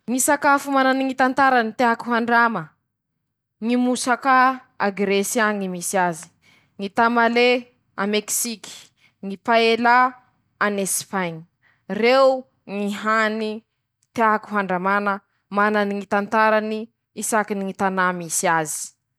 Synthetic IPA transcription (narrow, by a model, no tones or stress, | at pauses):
ŋisakafumananiŋit̪ant̪aɾanit̪eɦakuɦaɳɖ͡ʐamə | ŋimusaka | aɡɾesjaŋimisiazi̥ | ŋit̪amale | ameksiki̥ | ŋipaela | anespaɲ | rew | ŋiɦani | t̪eaaku̥ɦaɳɖ͡ʐamanə | mananiŋit̪ant̪aɾani | isakiniŋit̪anamisiazi̥